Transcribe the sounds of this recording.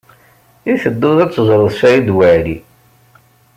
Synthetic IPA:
iθəd̪ːʊðæt͡sːəzˤɾˤəðˤʃæjid̪wæʕli

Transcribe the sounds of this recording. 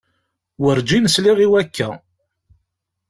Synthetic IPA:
wəɾd͡ʒinəsliʁiwækʰːæ̰

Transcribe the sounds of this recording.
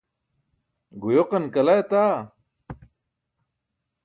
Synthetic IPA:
ɡujoqɐnkɐlajet̪aː

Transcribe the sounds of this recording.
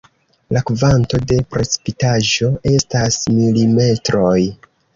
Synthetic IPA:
lakvanto̞de̞pɾe̞t͡si̥pitaʒo̞e̞stasmilime̞tɾo̞j

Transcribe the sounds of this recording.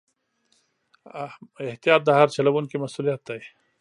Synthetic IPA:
eht̪ijaːt̪̚d̪aɦaɾt͡ɕɐlɐbunkimɐsuːlijat̪ːaj

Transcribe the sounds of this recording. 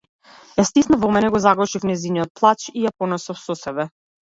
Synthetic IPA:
ɛst̪isnavɔmɛnɛɡɔzaɡlˠɔʃifnɛziniɔt̪̚plˠat͡ʃijapɔnɔsɔfsɔsɛbɛ

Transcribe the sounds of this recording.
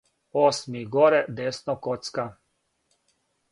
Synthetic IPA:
osmiɡɔɾɛd̪esnɔkɔt̪ska

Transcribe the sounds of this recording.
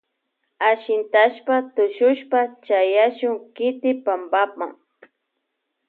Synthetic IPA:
aʃɪnt̪aʃpat̪ʊʃʊʃpat͡ʃajaʃʊŋkɪt̪ɪpambapa̰ŋ

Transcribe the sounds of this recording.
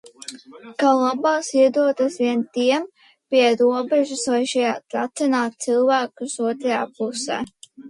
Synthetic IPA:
kalˠabaːsiɛd̪uɔt̪asviɛnt̪iɛm | piɛɾuɔbɛʒusvajʃɛjaːt̪ɾat̪sɛnaːt̪̚t̪silˠvæːkusuɔt̪ɾaja̰ːpusɛ̰ː

